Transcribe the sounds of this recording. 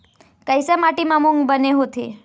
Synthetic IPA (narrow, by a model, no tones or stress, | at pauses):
kəjsemaʈimãmuŋɡbəneɦot̪ʰḭ